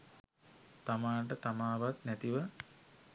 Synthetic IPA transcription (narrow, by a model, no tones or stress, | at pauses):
t̪amaːɳʈ̬ət̪amaːʋat̪næt̪iʋə